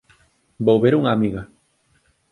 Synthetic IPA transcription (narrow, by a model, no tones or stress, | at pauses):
bowβeɾuŋaːmiɣa